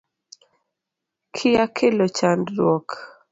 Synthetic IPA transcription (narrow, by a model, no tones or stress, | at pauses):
kʰɪjakʰelot͡ʃandɾwɔk